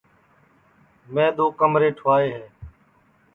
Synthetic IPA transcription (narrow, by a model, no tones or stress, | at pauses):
mẽːd̪oːkəmɾeːʈʰʊʋaːeːɦeː